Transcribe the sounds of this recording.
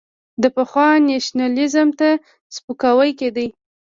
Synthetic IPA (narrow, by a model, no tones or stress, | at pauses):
d̪əpəxwɑneʃnalɪzəmt̪a | spəkawəjked̪əj